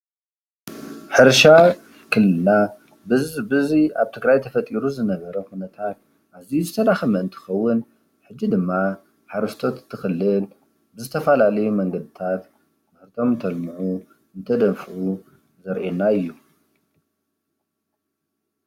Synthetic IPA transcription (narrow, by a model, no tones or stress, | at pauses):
ħɨɾʃa | kʰɨlːɨna | bɨziaβt̪ʰɨɡɾajt̪ʰɐfɐt̪ʼiɾuzɨnɐβɐɾɐkunɐt̪ʰat̪̚ | ʔaβzijuzɨt̪ʰɐd̪axɐmɐɨnt̪ʰɨ̥xɐwːʊn | ħɨd͡ʒːid̪ɨmːa | ħaɾɐst̪ʰo̞t̪t̪ʰːɨxɨlːɨl | bɨzɨt̪ʰɐfɐlalɐjumɐŋɡɐd̪ɨt̪ʰat̪ | mɨɾt̪ʰomɨnt̪ʰɐlmɨʕu | ɨnt̪ʰɐd̪ɐmfɨʔu | zɐɾʔenaɨjːu